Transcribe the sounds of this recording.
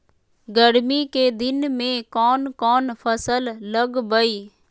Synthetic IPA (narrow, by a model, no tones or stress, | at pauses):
ɡəɽmiked̪ɪnmẽkɔːnkɔːnpʰəsəlːəɡbəiː